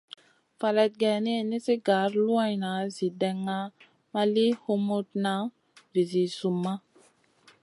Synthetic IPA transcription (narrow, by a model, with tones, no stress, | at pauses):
fa˨le˨t̪̚ɡɛ˨ne˦ni˦si˦ɡa˨˦ɾlu˦a˦jna˨zi˨dɛ˨ŋːa˦ | ma˦li˦ho˦mo˦t̚na˨˦ | vi˨zi˨su˨mːa˦